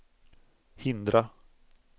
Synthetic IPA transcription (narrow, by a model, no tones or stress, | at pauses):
hɪnd̪ɾa